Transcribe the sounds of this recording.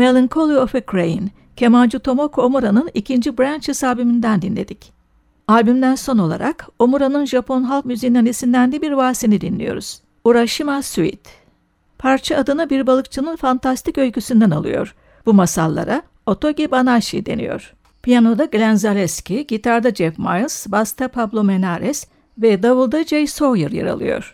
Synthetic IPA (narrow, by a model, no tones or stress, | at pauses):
melˠiŋkʰo̞lˠiofɛkʰɾejḭn | cʰe̞mand͡ʒut̪ʰo̞mo̞kʰomuɾanɯnicʰind͡ʒibɾant͡ʃhisaːbimind̪ænd̪inlʲe̞̰d̪ic | aːbymd̪ænso̞no̞lˠa̰ɾʔa̰ko̞muɾanɯnʒapʰo̞nɦalˠkmyzijnanisind̪ænd̪ɛbiɾvaːsinid̪inlʲḭjo̞̰ɾuz̥ | uɾaʃɯmasuḭt̪ | pʰaɾt͡ʃʰaːd̪ɯnɯbiɾbalˠɯkt͡ʃʰɯnɯnfant̪ʰast̪ʰicø̞lʲcysynd̪ænalˠɯ̰jo̞̰ɾ̥ | b̥umasalˠːa̰ɾa | o̞t̪ʰo̞ɟibanaʃid̪e̞̰nḭjo̰ɾ̥ | pʰijano̞d̪aɡlʲænzalʲɛscʰiɟit̪ʰaɾd̪ad͡ʒɛfma̰jlˠsbast̪ʰapʰablˠomenaɾɛs | vɛd̪avɯlˠd̪ad͡ʒejso̞jɯɾja̰ɾa̰lˠɯ̰jo̞̰ɾ̥